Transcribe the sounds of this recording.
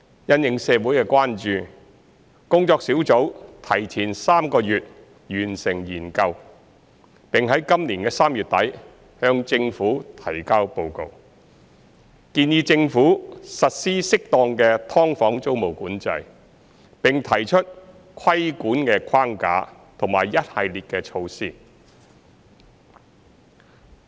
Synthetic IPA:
jɐ˨˧njɪ˨˩ŋsɛː˨˧wuː˨˥jkɛː˧kwaː˥nt͡ʃyː˨ | kʊ˥ŋt͡sɔː˧ksiː˨˥wt͡so˨˥wt̪ʰɐ˨˩jt͡sʰiː˨˩nsaː˥mkɔː˧jyː˨t̚ | jyː˨˩nsɪ˨˩ŋjiː˨˩nkɐ˧w | pɪ˨ŋɦɐ˨˥jkɐ˥mliː˨˩nkɛː˧saː˥mjyː˨t̪̚ɐ˨˥j | hœː˧ŋt͡sɪ˧ŋfuː˨˥t̪ʰɐ˨˩jkaː˥wpo˧wko˨˧w | kiː˧njiː˧t͡sɪ˧ŋfuː˨˥sɐ˨t̚siː˥sɪ˥k̚t̪ɔː˧ŋkɛː˧t̪ʰɔː˥ŋfɔː˨˥ŋt͡so˥wmo˨˩wkuː˨˥nt͡sɐ̰˧j | pɪ˨˩ŋt̪ʰɐ˨˩jt͡ʃʰɵ˥t̚ | kʷʰɐ˥jkuː˨˥nkɛː˧kʰwaː˥ŋka̰ː˨˥ | t̪ʰʊ˨˩ŋmaː˨˩jːɐ˥t̚hɐ˨jliː˨t̚kɛː˧t͡ʃʰo˧wsiː˥

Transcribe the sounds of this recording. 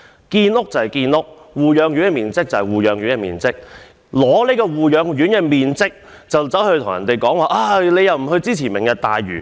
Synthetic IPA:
kiː˧nlʊ˥k̚t͡sɐ˨˩hjkiː˧nlʊ˥k̚wuː˨jœː˨˧ŋjy˨˥nkɛː˧miː˨˩nt͡sɪ˥k̚t͡sɐ˨˩hɐ˨jwuː˨jœː˨˧ŋɥyː˨˥nkɛː˧mḭː˨nt͡sɪ˥k̚ | lɔː˨˥le˨˥jkɔː˧wuː˨jœː˨˧ŋjyː˨˥nkɛː˧miː˨nt͡sɪ˥k̚ | t͡sɐ˨wt͡sɐ˨˥whɵ˧t̪ʰʊ˨˩ŋjɐ˨nt̪e˨jkɔː˨˥ŋwaː˨ʔaː˧le˨˧jɐ˨wm̩˨˩ɦɵ˧ɥt͡siː˥t͡sʰiː˨˩mɪ˨˩ŋkɐ˧t̪aː˨jɥy̰ː˨˩

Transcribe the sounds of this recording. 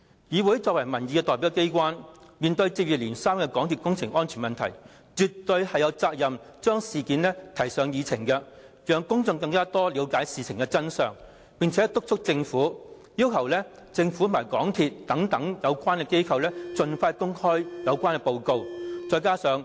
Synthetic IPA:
jiː˨˧wu˨˥jt͡sɔː˧k̚wɐ˨˩jmɐ˨˩nji˨˧kɛ˧t̪ɔː˨˩pi˨˥ɛ˧ke˥jkʷwaː˥nmiː˨˩nt̪ɵ˧ɥt͡siː˧p̚jiː˨p̚liː˨˩nsaː˥mkɛ˧kɔː˨˥ŋt̪ʰiː˨˧t̚kʊ˥ŋt͡sʰɪ˨˩ŋɔː˥nt͡ʃʰyː˨˩nmɐ˨nt̪ʰɐ̰˨˩j | t͡ʃy˨t̪ɵ˧ɥhɐ˨jɐ˨˧wt͡saː˧k̚jɐ˨m | t͡ʃœː˥ŋsiː˨kiː˨˥nlɛː˥t̪ʰɐ˨˩jsœː˨˧ŋjiː˨˧t͡sʰɪ˨˩ŋkɛ˧ | jœː˨˧ŋkʊ˥ŋt͡sʊ˧ŋkɐ˧ŋkaː˥t̪ɔː˥li˨˧wkaː˨˥jsiː˨t͡sʰɪ˨˩ŋkɛ˧t͡sɐ˥nsœː˨ŋ | pɪ˨ŋt͡sʰɛ˨˥t̪ʊ˥k̚t͡sʰʊ˥k̚t͡sɪ˧ŋfuː˨˥ | ji˥wkʰɐ˨˩wlɛː˥ | t͡sɪ˧ŋfu˨˥t̪ʰmaː˨˩jkɔ̰ː˨˥ŋt̪ʰiː˨˧t̚t̪ɐ˨˥ŋt̪ɐ˨˥ŋjɐ˨˧wkʷaː˥nkɛ˧ke˥jkʰɐ˨˧wlɛː˥t͡sɵ˨˧nfaː˧kʊ˥ŋhɔː˥jjɐ˨˧wkʷaː˥nkɛ˧po˧wko˧wt͡sɔː˧jkaː˥sœː˨˧ŋ

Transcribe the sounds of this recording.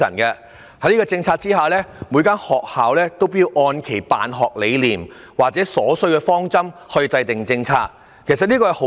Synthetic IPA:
ɐ̰˨˩nkɛ˧ | hɐ˨˥jliː˥kɔː˧t͡sɪ˧ŋt͡sʰaː˧t̚t͡siː˥haː˨lɛː˥muː˨˧jkaː˥nhɔː˨k̚haː˨wlɛː˥t̪o˥wpːji˨˧wʔɔː˧nkʰe˨˩jpa̰ː˨nɦɔː˨˩k̚le˨˧jliː˨˩m | waː˨k̚t͡sɛː˨˥sɔː˨˥sɵ˧˥ɥkɛː˧fɔː˥ŋt͡sɐ˥mhɵ˧t͡sɐ˧jt̪ɪ˨ŋt͡sɪ˧ŋt͡sʰaː˧k̚ | kʰe˨˩jsɐ˨t̚niː˥kɔː˧hɐ˨˩ho˨˧˥

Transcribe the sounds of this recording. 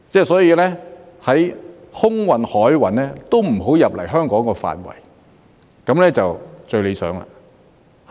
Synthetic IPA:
t͡sɛː˥˩sɔː˨˥jiː˧lɛː˥ | hɐ˨˥j | hʊ˥ŋwɐ˨nhɔː˨˥jwɐ˨˩nɛː˥t̪o˥wm̩˨˩ɦo˨˥wjɐ˨p̚lɐ˨˩jɦœː˥ŋkɔː˨˥ŋkɔː˧fa̰ː˨nwɐ̰˨˩j | kɐ˨˥mlɛː˥t͡sɐ˨wt͡sɵ˧ɥle˨˧jsœ̰ː˨˥ŋla̰ː˧

